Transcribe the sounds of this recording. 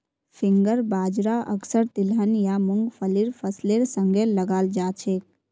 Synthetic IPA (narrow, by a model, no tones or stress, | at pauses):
pʰɪ̃ŋɡəɾbaːd͡ʒɾaʔə̰ksəɾt̪ɪlɦənjamʊŋɡpʰəliɾpʰəsleːɾsə̃ŋɡʱeləɡaːld͡ʒaːt͡ʃʰeːk̚